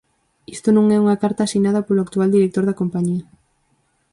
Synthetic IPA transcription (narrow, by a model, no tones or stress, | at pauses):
ist̪onõŋɛuŋɐkaɾt̪aːsinað̞ɐpoloak̚t̪uald̪iɾek̚t̪oɾðɐkompaɲiɐ